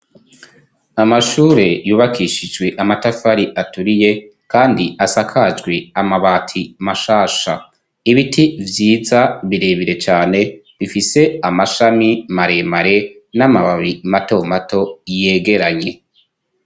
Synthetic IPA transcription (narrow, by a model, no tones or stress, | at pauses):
amaʃuːɾe̞juːβakiʃid͡ʒɡwe̞ʔamatafaɾiʔatuɾije̞ | kaːndiasakʰad͡ʒɡwe̞amaβatʰimaʃaːʃa | iβitʰivjiːzaβiɾeβiɾe̞t͡ʃaːne̞ | βifise̞amaʃamimaɾe̞maɾe̞namaβaβimato̞mato̞jeːɡe̞ɾaɲe̞